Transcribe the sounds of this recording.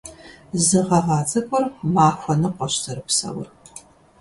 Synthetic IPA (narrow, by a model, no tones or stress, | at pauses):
zɨʁɐʁɑːt͡sʼɐkʷʼɔrmaːxʷɐnɨqʷɔɕtʰɐɾɨpsɐ̰wʊ̰r